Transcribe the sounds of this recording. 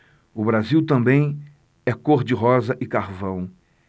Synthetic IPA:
ʊbɾaziwt̪ɐ̃mbẽj̃ | ɛkoɾd͡ʒɪɦɔzɐʔɪkaɾvɐ̃w̃

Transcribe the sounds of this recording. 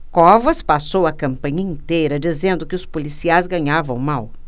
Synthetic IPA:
kɔvɐspasowɐkɐ̃mpɐ̃ɲɐĩnt̪ejɾɐd͡ʒizẽnd̪ʊkɪʊspolisiajzɡɐ̃ɲavɐ̃w̃maw

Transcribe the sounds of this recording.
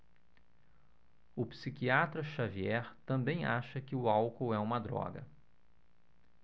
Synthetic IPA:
ʊpsikiat̪ɾɐʃaviɛɾt̪ɐ̃mbẽj̃aʃɐkɪʊawkowɛũmɐd̪ɾɔ̰ɡɐ̰

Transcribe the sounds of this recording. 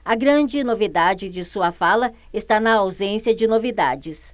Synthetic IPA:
ɐɡɾɐ̃d͡ʒɪnovid̪ad͡ʒɪd͡ʒɪsuɐfalɐɪst̪anɐawzẽsjɐd͡ʒɪnovid̪a̰d͡ʒɪs

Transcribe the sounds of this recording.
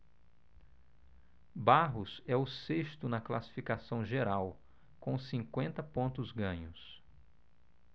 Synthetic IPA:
baɦʊsɛʊsest̪ʊnɐklasi̥fikasɐ̃w̃ʒeɾaw | kõw̃sĩŋkwẽnt̪ɐpõnt̪ʊzɡɐ̃ɲʊs

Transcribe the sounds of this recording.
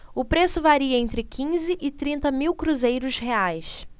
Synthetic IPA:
ʊpɾesʊvaɾiɐẽnt̪ɾɪkʰĩzɪʔɪt̪ɾĩnt̪ɐmiwkɾuzejɾʊsheajs

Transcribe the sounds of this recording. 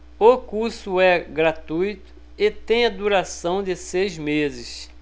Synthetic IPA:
okuɾsʊɛɡɾat̪ujt̪ʊ̥ | ɪt̪ẽj̃ɐd̪uɾasɐ̃w̃d̪ɪsejzmezɪs

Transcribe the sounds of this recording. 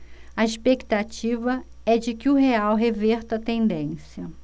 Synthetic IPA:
ɐiʃpekt̪at͡ʃivɐ | ɛd͡ʒɪkɪʊɦeawɦevɛɾt̪ɐt̪ẽnd̪ẽsjɐ

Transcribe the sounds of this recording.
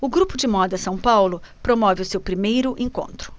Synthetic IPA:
ʊɡɾupʊd͡ʒɪmɔd̪ɐsɐ̃w̃pawlʊpɾomɔvɪʊsewpɾimejɾʊʔẽŋkõ̰nt̪ɾʊ̥

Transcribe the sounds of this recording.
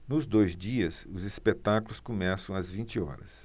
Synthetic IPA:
nʊzd̪ojzd͡ʒiɐsʊzispet̪akulʊskomɛsɐ̃w̃ɐzvĩnt͡ʃiɔ̰ɾɐ̰s

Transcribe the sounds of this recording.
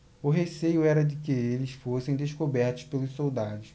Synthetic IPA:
ʊɦesejʊɛɾɐd͡ʒɪkɪelɪsfosẽj̃d̪eʃkobɛɾt̪ʊ̥spelʊssowd̪ad̪ʊs

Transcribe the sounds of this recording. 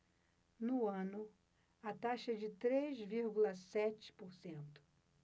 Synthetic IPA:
nʊɐ̃nʊ | ɐt̪aʃɐd͡ʒɪt̪ɾezviɾɡulɐsɛt͡ʃɪ̥poɾsẽnt̪ʊ̥

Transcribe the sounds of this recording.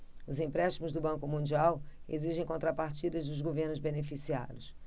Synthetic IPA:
ʊzĩpɾɛʃt͡ʃimʊzd̪ʊbɐ̃ŋkʊmũnd͡ʒiawḛziʒẽj̃kõnt̪ɾɐpaɾt͡ʃid̪ɐzd̪ʊzɡoveɾnʊzbenefisia̰ɾʊs

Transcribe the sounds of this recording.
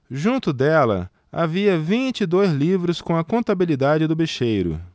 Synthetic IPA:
ʒũnt̪ʊd̪ɛlɐ̰ | a̰viɐvĩt͡ʃɪɪd̪ojzlivɾʊskõw̃ɐkõnt̪abilid̪ad͡ʒɪd̪ʊbeʃejɾʊ̰

